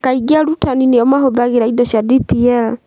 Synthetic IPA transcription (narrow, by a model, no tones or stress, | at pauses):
kaiɡiaɾutʰanineɔmaɦoðaɣeɾaidɔʃadipiɛl